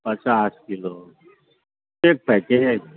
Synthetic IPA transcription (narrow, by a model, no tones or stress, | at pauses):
pət͡ɕaskilo | ek̚pɛke